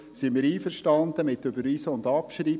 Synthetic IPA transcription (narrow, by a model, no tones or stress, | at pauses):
simiːɾiːfəɾʃtɑnd̪əmɪt̪ːøbəɾʋiːsəʊnd̪ɑpʃɾi